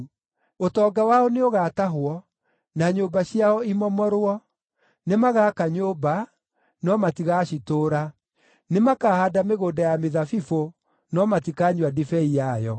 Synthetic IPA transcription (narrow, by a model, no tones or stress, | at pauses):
otɔːɡawaɔneoɣaːtaɦwɔ | naɲoːbaɕiaɔimɔmɔɾwɔ | nemaɣaːkaɲoba | nɔmatiɣaɕitoːɾa | nemakaːhadameɣoːndajameðafifo | nɔmatikaɲwadifɛijajɔ